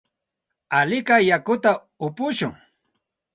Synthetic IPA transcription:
alɪkajakʊt̪a | ʊpʊʃʊŋ

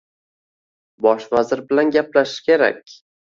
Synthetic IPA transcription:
bɒʃvazɪɾbɪlanɡʲaplaʃɪ̥ʃkʲʰe̞ɾa̰k̚ʲ

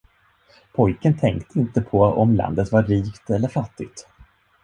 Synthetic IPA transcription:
pʰɔjkənt̪ʰɛŋkt̪əɪnt̪əpʰɔɔmla̰nd̪ət̪vaɾːiːkt̪ɛlːəɾfat̪ːɪɡt̪

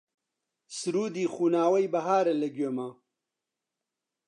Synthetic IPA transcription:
sɾuːd̪iːxuːnaːwɐjbɐɦaːɾɐlɐɡemaː

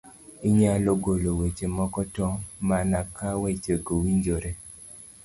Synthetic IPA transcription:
iɲaloɡolowet͡ʃemɔkɔtɔmanakawɛt͡ʃeɡowiɲd͡ʒoɾe

